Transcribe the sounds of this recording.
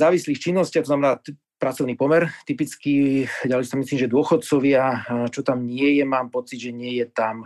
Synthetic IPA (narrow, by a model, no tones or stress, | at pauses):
zaːʋisliːxt͡ʃinːɔscɪat̪ɔznamɛnaː | pɾat͡sɔʊniːpɔmɛɾt̪ipit͡skiɟalɛsamisliːmʒɛd̪ʊɔxɔt̪̚t͡sɔʋɪat͡ʃɔt̪amɲɪɛjɛmaːmpɔt͡sid̪ʒɛɲɪɛjɛt̪am